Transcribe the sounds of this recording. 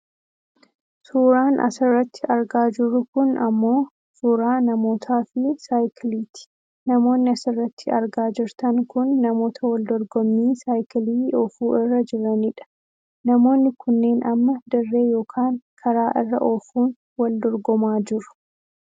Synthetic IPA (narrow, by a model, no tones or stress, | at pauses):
suːɾaːnʔɐ̰sɪrːɐt̪ʰːɪʔɐɾɡaːd͡ʒɪɾʊkʊnɐmːo̞ː | suːɾaːnɐmo̞ːt̪ʰaːfɪsaːjkɪliːt̪ɪ̥ | nɐmo̞ːnːɪɐsɪrːɐt̪ʰːɪɐɾɡaːd͡ʒɪɾt̪ɐŋkʊnːɐmo̞ːt̪ʰɐwɐld̪ɔɾɡɔmːiːsaːjkɪliːɔfuːʔɪrːɐd͡ʒɪɾɐnɪᶑɐ̥ | nɐmo̞ːnːɪkʰʊnːe̞ːnʔɐmːɐd̪ɐrːe̞ːjo̞ːkʰaːŋkʰɐɾaːʔɪrːɐ̰ʔoːfuːn | wɐld̪ɔɾɡɔmaːd͡ʒɪɾʊ̥